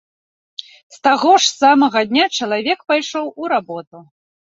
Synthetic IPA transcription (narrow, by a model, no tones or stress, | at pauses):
st̪aɣɔʂsamɐɣɐd̪ʲnʲat͡ʂɐlˠavʲɛkpajʂɔwuɾabɔt̪u